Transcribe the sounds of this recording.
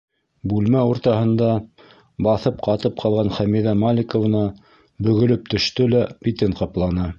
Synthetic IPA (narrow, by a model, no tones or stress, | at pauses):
bʉlmæuɾt̪ɑhɤ̆nd̪ɑ | bɑθɤp̚qɑt̪ɤp̚qʰɑlˠʁɑnχæmiðæmalʲɪkŏv̆nɑ | bɵ̆ɣɵ̆lɵp̚t̪ɵ̆ʃt̪ɵlæbʲit̪ɘɴqɑplˠɑnɤ